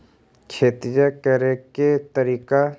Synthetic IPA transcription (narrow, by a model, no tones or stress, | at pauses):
kʰeːt̪ɾijəkəɾeket̪əɾiːka